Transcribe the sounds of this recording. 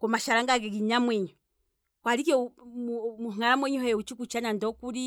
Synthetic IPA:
kɔmaʃaɾaŋɡaɡɛɡiɲamwɛɲɔ | kwaɾikɔ | muhŋaɾamwɛɲuhɛut͡ʃikut͡ʃanandɔkuɾi

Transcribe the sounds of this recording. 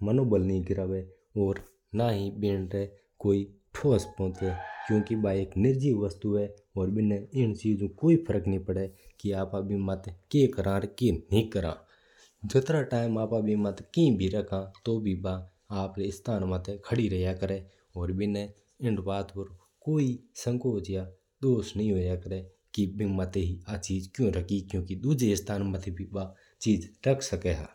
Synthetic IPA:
mənoːbəlnĩɡɪɾaːʋe | ɔːɾ | naːɦibɪɳɾe | koːiʈʰoːspɔ̃ːt͡ʃ̪ekjõːkibaeːknɪɾd͡ʒiːʋəst̪uɦɛɔːɾbɪneɪnt͡ʃiːzũkoːipʰəɾəknĩpəɽekiaːpabʱimət̪keːkəɾãːɾkenĩkəɾã̰ː | d͡ʒɪt̪ɾaʈaːɪmaːpãbʱimɐt̪kĩbʱiɾɐkʰãːt̪obʱiba | aːpɾeɪst̪ʰaːnmət̪ʰekʰəɽiɾɐjakəɾe | ɔːɾbʱine | ɪɳɖbaːt̪pəɾ | koːisə̃ŋkoːt͡ʃja | d̪oːsnəɦĩɦoːjakəɾe | kibimət̪eɦiat͡ʃiːd͡ʒkjõɾəkʰikjõːkid̪uːd͡ʒeɪst̪ʰaːnmət̪ʰebʱibaː | t͡ʃiːd͡ʒɾɐkʰsəkeɦa̰ː

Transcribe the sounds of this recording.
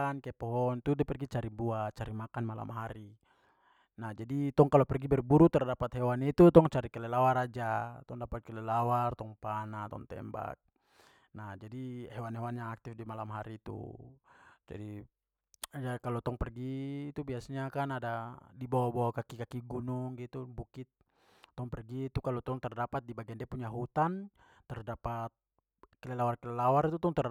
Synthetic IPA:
ankaɛpɔɦɔnt̪udɛpɛrɡit͡ʃaɾibuat͡ʃaɾimakanmala̰mɦaɾi | nahd͡ʒadit̪ɔŋkalɔpɛrɡibɛrbuɾut̪ɛrdapat̪hɛwanit̪ut̪ɔŋt͡ʃaɾikɛlɛlawaɾad͡ʒat̪ɔŋdapat̪̚kɛlɛlawart̪ɔŋpanat̪ɔ̰ŋt̪ɛ̰mba̰k̚ | nahd͡ʒadihɛwanɦɛwanjaŋak̚t̪ifdimalamɦaɾit̪ṵ | d͡ʒa̰di | jakalɔt̪ɔŋpɛrɡiːt̪ubiasaɲakanadadibɔbɔkakikakiɡunuŋɡit̪ubukit̪̚ː | ɔŋpɛrɡit̪ukalɔt̪ɔŋt̪ɛrdapat̪̚dibaɡɛndɛpuɲaɦut̪an | t̪ɛrdapat̪̚ | kɛlɛlawarkɛlɛlawarit̪ut̪ɔŋt̪ɛr

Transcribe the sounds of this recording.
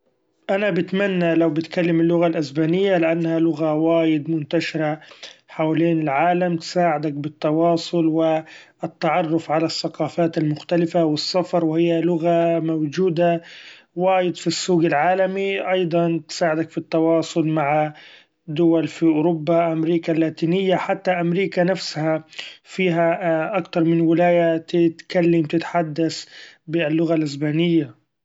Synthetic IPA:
ʔanabɪt̪manːalawbɪt̪kalːamɪlːʊɣalʔasbaːnɪjːalɪʔanːhalʊɣawaːjɪd̪mʊnt̪aʃɪɾaħawleːnɪlʕaːlamt̪saːʕɪd̪ak̚bɪt̪ːɑwɑːsˤʊlwɪ | ɪt̪ːaʕɑrˤːʊfʕalasːaqɑːfaːt̪ɪlmʊxt̪alɪfawɪsːafɑɾˤwɪhɪjːalʊɣamawd͡ʒuːd̪a | waːjɪd̪fisːuːɡɪlʕaːlamiʔɑjd̪ˤɑnt̪saːʕɪd̪akfit̪ːɑwɑːsˤʊlmaʕa | d̪ʊwalfiʔʊːɾʊbːaʔamɾiːkalːaːt̪iːnɪjːaħat̪ːaʔamɾiːkanafshafiːɦaʔakt̪ɑɾˤmɪnwɪlaːjat̪ɪt̪kalːamt̪ɪt̪ħad̪ːasbɪlːʊɣalʔɪs̬baːnɪjːa

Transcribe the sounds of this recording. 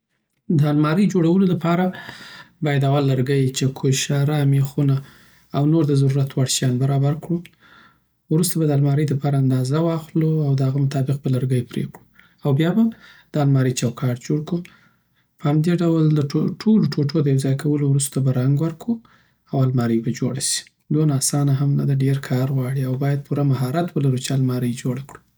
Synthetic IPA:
d̪əalmɑɾəjd͡ʒoɽawəloləpʰɑɾa | bɑjad̪awalːəɾɡəjt͡ʃekʰoʃaɾamexunaː | wnoɾd̪əzaɾuɾat̪waɽʃjɑnbaɾɑbaɾkɽu | wɾust̪abad̪əalmɑɾəjd̪əpɑɾaand̪ɑzawɑxluawd̪əhaɣamʊt̪ɑbɪq̚bələɾɡəjpɾḛkɽu | awbjɑbad̪̥əalmɑɾəjt͡ʃawkʰɑʈd͡ʒoɽkɽu | pəhamd̪eɖawld̪əʈʰoloʈʰoʈʰod̪əjawzɑjkʰawəlowɾust̪abaɾaŋɡwəɾku | awalmɑɾəjbad͡ʒoɽaʃi̥ | d̪onɑsɑnaɦamna̰d̪aɖeɾkʰɑɾɣwɑɽiawbɑjad̪̚pʰuɾamaɦɑɾat̪wəlaɾut͡ʃealmɑɾəjd͡ʒoɽakɽu̥

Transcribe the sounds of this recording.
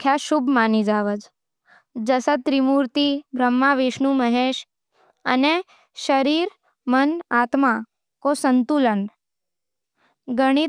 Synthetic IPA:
kʰjaʃubʱmanid͡ʒaʋəd͡ʒ | d͡ʒəsət̪ɾimuɾt̪ibʱɾəmːaʋeʃnũməɦeʃ | ə̰ne | ʃəɾiɾ | mənat̪ma | kosənt̪ulən | ɡəɽ̃i

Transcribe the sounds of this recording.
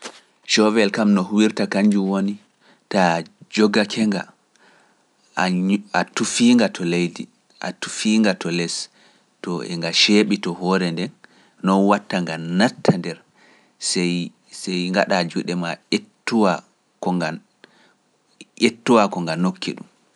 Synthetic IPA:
ʃɔvɛlkamnɔhuwiɾtakaɲd͡ʒuwoni | tad͡ʒɔɡakʰɛŋɡa̰ | atufiːŋɡatʰɔlejdḭ | ʔa̰tu̥fiːŋɡatɔlɛs | tɔɛ̰ŋɡaʃeɓitɔhɔɾɛndɛnː | ɔnwatːaŋɡanatʰːandɛɾ | sɛj | sɛjŋɡa̰ɗad͡ʒuɗɛmaetːuwa | kɔŋa | ʔetːuwakɔŋɡanokʰːḭɗṵm

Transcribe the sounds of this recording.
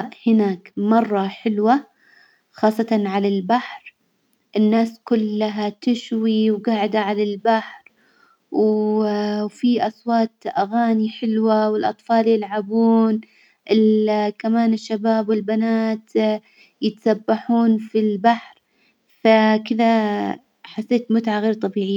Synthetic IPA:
hɪnaːkmɑrˤːɑħɪlwa | xɑːsˤːɑt̪ɑnʕalalbaħɾ | ʔɪnːaːskʊlːaɦat̪ɪʃwiwɡaːʕɪd̪aʕalalbaħɾ | w | fiʔɑsˤwɑːt̪ʔaɣaːniħɪlwawɪlʔɑ̰t̪ˤfɑːljɪlʕabuːn | ʔɪlkamaːnɪʃːabaːbwɪlbanaːt̪ | jɪt̪asabːaħuːnfilbaħɾ | fakɪða | ħasːeːt̪mʊt̪ʕaɣeːɾt̪ˤɑbiːʕɪjːa

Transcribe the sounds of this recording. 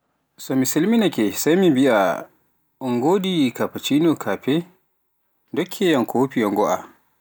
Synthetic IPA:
sɔmisilminakɛsajmimbiʔa̰ | ɔŋɡoːdikapat͡ʃinɔkʰapɛ | dɔkʰːɛjankʰoːpijɔŋɡɔʔa̰

